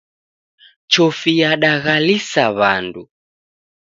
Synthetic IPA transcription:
t͡ʃɔfijaɗaɣalisaβa̰ndu

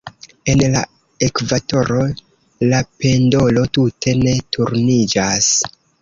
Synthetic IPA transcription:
e̞nla̰ | e̞kvato̞ɾo̞ | lape̞ndo̞lo̞tutʰe̞ne̞tʰuɾnid͡ʒas

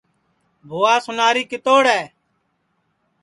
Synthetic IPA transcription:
bʱoːaːsʊnaːɾiːkɪt̪oːɽɛː

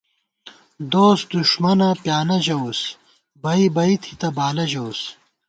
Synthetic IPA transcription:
d̪oːsd̪uʃmɐnɐpjaːnɐʑɐws | bɐibɐit̪ʰit̪ɐbaːlɐʑɐws

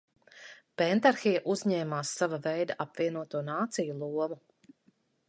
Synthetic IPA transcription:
pɛnt̪aɾxijaʔuzɲɛːmaːsːavavɛjd̪aʔapviɛnuɔt̪uːnaːt̪sijulˠuɔmu

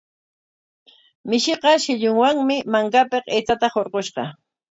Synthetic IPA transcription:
mɪʃɪqɑʃɪʎʊŋwaŋmɪmaŋkapeqejt͡sat̪ahoɾqoʃɢɑ̰

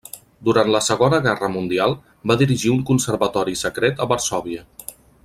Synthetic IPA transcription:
d̪uɾant̪ləsəɣonəɣɛrəmund̪ialˠ | baðiɾiʒiuŋkunsəɾβət̪ɔɾisəkɾet̪əβəɾsɔβ̞iə

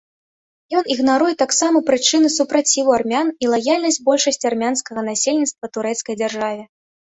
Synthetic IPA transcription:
jɔniɣnaɾujɛt̪aksamɐpɾɨt͡ʂɨnɨsupɾat͡sʲivuarmʲanilˠajalʲnɐsʲd͡zʲbɔlʲʂɐsʲt͡sʲarmʲanskɐɣɐnasʲelʲnʲit̪st̪vɐt̪uɾɛt̪skɐjd͡zʲarʐavʲɛ

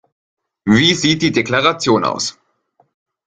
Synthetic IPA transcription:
viːziːt̚d̥iːdeklaʁat͡sjoːna̰ʊs

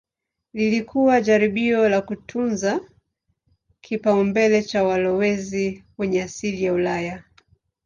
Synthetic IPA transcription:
lilikʰuwaʄaɾiɓiɔlakutʰunza | kʰipaumbɛlɛt͡ʃawalɔwɛziwɛɲɛasilijaulaja

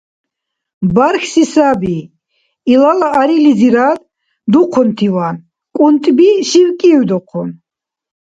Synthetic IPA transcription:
baɾxsisabi | ilalaːɾilid͡ziɾad̪ | d̪uqʰɔnt̪ʰiwan | kʼunt̪ʼbiʃiwkʼiwd̪ɔqʰɔn

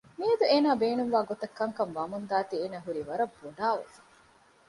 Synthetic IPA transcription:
miɐd̪ueːnaːbeːnuŋʋaːɡot̪ɐkːɐŋkɐŋʋɐmund̪aːt̪ieːnɐɦuɾiʋɐɾɐbːuɖaːʋḛfɐ̥

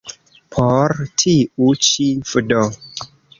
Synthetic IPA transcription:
pʰoɾtʰiut͡ʃifɨdo

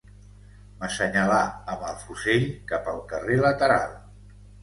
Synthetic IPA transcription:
məsəɲəlaəməlˠfuseʎkapəlˠkərelət̪əɾa̰lˠ

